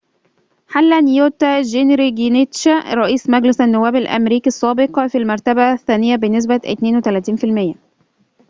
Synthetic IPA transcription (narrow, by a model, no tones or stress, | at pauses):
ħalːænjoːt̪æʒenɾiɡinet̪ʃæɾˤɑʔiːsmæɡlɪsænːʊwːæːbælʔæ̰mɾiːkisˤːæːbeqfilmɑɾˤt̪æbæθːæːnɪjːæbenːɪs̬bæʔɪ̰t̪neːnwet̪ælæːt̪iːnfilmɪjːæ